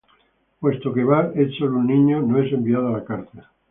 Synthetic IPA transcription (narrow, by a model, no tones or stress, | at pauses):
pwe̞st̪okeβaet͡ʃolunnːĩɲonoe̞se̞mbiaðoalakaɾt̪a